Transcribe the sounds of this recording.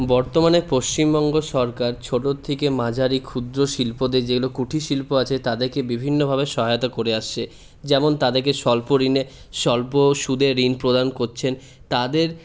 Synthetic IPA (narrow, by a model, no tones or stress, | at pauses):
bɔɾt̪omanepoʃt͡ɕimbɔŋɡoʃɔɾkaɾt͡ɕʰoʈot̪ʰːekemad͡ʑʱaɾikʰːud̪ɾoʃilpod̪ed͡ʑeɡulokuʈʰiʃilpoat͡ɕʰet̪ad̪eɾkebibʱinːobʱabeʃɔɦajot̪akoɾeaʃt͡ɕʰe | d͡ʑɛmont̪ad̪eɾkeʃɔlpoɾine | ʃɔlpoʃud̪ʱeɾinpɾod̪ankoɾt͡ɕʰen | t̪ad̪eɾ